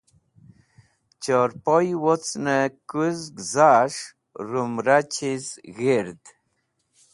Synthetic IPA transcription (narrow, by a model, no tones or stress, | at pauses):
t͡ʃɔɾpɔjwot͡snəkuzɡzaʂ | ɾumɾat͡ɕʰizɣiɾd̪